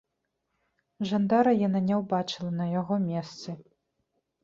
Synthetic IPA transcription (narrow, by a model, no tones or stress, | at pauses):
ʐand̪aɾɐjananʲɛwbat͡ʂɨlˠɐnɐjaɣɔmʲɛst̪sɨ